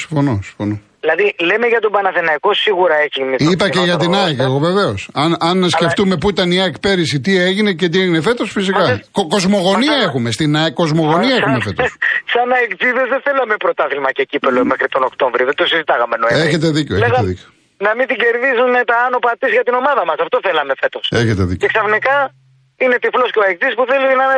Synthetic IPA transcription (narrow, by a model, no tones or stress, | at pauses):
si̥ɱfo̞nosi̥ɱfo̞noðilɐðile̞me̞ʝɐt̪obɐnɐθenɐiko̞siɣuɾɐe̞çimisipɐceʝɐt̪̬inɐekɐɣove̞ve̞o̞sɐnɐnskeft̪ume̞puit̪ɐniɐekpe̞ɾisit̪ieʝinece̞t̪ieʝinefe̞t̪o̞sfis̬ikɐkoko̞zmo̞ɣo̞niɐexumest̪inɐko̞zmo̞ɣo̞niɐexume̞fe̞t̪ossɐnɐekziðezðeθe̞lɐmepɾo̞t̪ɐθilmɐcecipelomexɾit̪o̞nokt̪oɱvɾioðent̪osizit̪ɐɣɐmenoeeçet̪̬e̞ðiceeleçɣɐeðḭceo | nɐmint̪iɟe̞ɾðizunet̪ɐɐno̞pɐt̪isʝɐt̪ino̞mɐðɐmɐsɐft̪oθelɐme̞fe̞t̪o̞seçet̪eðḭceksɐfnikɐ | ine̞t̪iflosceoekt͡sispuθelinɐ